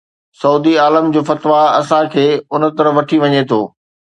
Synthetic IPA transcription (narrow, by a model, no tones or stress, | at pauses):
sɐuːd̪iaːləmd͡ʑoːfɐt̪ʋaɐsãkʰeːʊnə̆t̪ɐɾəʋɐʈʰiʋɐɲet̪ʰo̰ː